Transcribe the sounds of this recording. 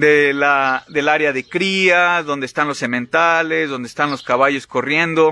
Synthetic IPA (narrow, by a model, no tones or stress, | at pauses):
d̪elaðe̞laɾjaðe̞kɾiaðond̪eːst̪anlo̞sːe̞mẽnt̪ale̞zðo̞nd̪est̪anlo̞skaβaʝo̞sko̞rje̞nd̪o̞